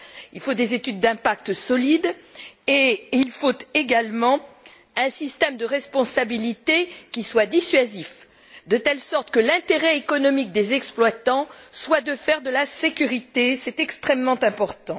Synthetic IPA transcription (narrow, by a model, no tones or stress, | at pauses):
ilfod̪ezet̪yd̪ːɛ̃pak̚t̪sɔlid̪eilfot̪eɡalmɑ̃ | ɛ̃sist̪ɛmd̪əʁɛspɔ̃sabilit̪ekʲiswad̪isɥazif | d̪ət̪ɛlsɔʁt̪kəlɛ̃t̪eʁɛekɔnɔmik̚d̪ezɛksplwat̪ɑ̃swad̪əfɛʁd̪əlasekʲyʁit̪esɛt̪ɛkst̪χɛmːɑ̃t̪ɛ̃pɔʁt̪ɑ̃